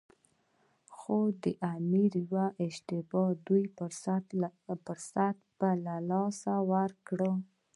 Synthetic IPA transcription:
xod̪əʔamiɾjwaʔɪʃt̪ɪbɑd̪uj | pəɾsat̪balalɑsawaɾkɽə

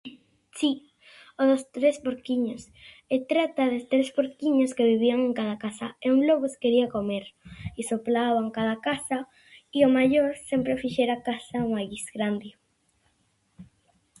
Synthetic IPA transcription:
si | oðost̪ɾespoɾkiɲos | et̪ɾat̪aðest̪ɾespoɾkiɲoskeβiβ̞iaŋẽŋkaðakasa̰euŋloɣoskeɾiakomeɾisoplaβaŋkaðakasa | iomaʎoɾsempɾefiʃeɾakasauŋaɣisɡɾand̪ɪ

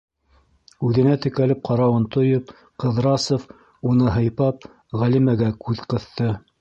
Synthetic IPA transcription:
ʉðɘ̆næt̪ɘ̆kælɘp̚qɑɾɑwɤnt̪ŏjɤp̚ | qɤ̆ðɾɑsof | unɤɦɤ̆jpɑp̚ | ʁælimæɡækʉðqɤ̆θt̪ɤ

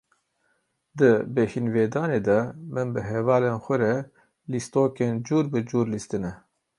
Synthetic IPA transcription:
d̪ɨbehinveːd̪ɑːneːd̪ɛmɨnbɨɦɛvɑːleːnxʷɛɾɛ | list̪oːkeːnd͡ʒuːɾbɨd͡ʒuːɾlist̪ɨnɛ

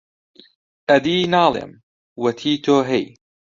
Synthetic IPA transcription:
ʔad̪iːnaːlɪ̰m | wat̪ʰiːt̪oɦej

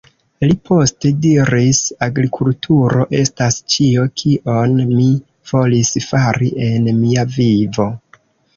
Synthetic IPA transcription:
lipʰo̞ste̞diɾisaɡɾikʰultʰuɾo̞ʔe̞stast͡ʃio̞kʰiʔo̞nmi | v̥o̞lisfaɾiʔe̞nmiavivo̞

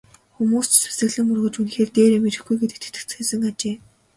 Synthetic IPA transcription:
xumuːst͡ɕsu̥sɘ̆ɣɮɘ̆ŋurɣɵ̆t͡ɕunxeːrt̪eːɾemerɘ̆xɡujɡet̪et̪ɘ̥̆t̪ɘ̆kt͡sxesɘ̆ŋat͡ɕeː

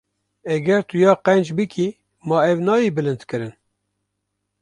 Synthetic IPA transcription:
ɛɡɛɾt̪ujɑːqɛnd͡ʒbɨkʰi | mɑːɛvnɑːjiːbɨlɨnt̪kɨɾɨn

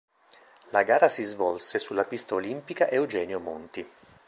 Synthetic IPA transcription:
laɡaːɾasizvɔlsesulːapist̪aolimpikaʔewd͡ʒɛːnjomont̪i

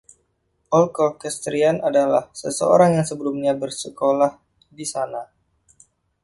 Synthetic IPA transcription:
ʔɔlkɔrkɛst̪ɾianadala̰hsəsəo̰ɾaŋjaŋsəbəlumɲabərsəkolah | disana

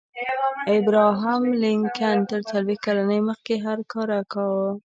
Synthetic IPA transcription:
ɪbɾɑɦamlɪŋkant̪əɾt̪alwikalanəjməxkeɦaɾkɑɾakawə

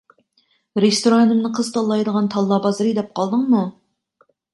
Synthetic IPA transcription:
ɾest̪oɾɑnɨmnɨqʰəz̥t̪ʰɑlˠːɑjd̪əʁɑnt̪ʰɑlˠːɑbɑzɨɾɨd̪ɛp̚qʰɑlˠd̪əŋmu

